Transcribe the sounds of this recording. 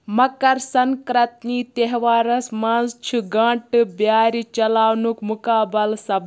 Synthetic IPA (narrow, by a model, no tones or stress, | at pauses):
mɐkɐɾsɐŋkɾɐt̪niːt̪eɦʋaːɾɐsmanzt͡ʃʰiɡɐ̃ɳʈɨbjaːɾit͡ʃɐlaːwnukmukaːbɐlsɐbʱ